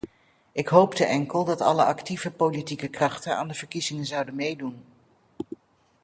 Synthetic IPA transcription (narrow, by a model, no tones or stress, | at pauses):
ʔɪkɦowptəʔɛŋkəlˠdɑtɑ̰ləʔɑktivəpowlitikəkrɑχtəna̰ːndəv̥əɹkizɪŋənzɑwdənmejdun